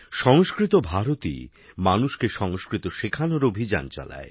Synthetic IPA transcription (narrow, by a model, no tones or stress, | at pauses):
ʃɔŋskɾit̪obʱaɾot̪ḭ | manuʃkeʃɔŋskɾit̪oʃekʰanoɾobʱid͡ʑa̰nt͡ɕa̰la̰e